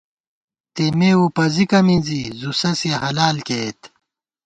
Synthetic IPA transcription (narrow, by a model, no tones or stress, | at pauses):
t̪emeːupɐzikɐmĩnzizusɐseɦɐlaːlket̪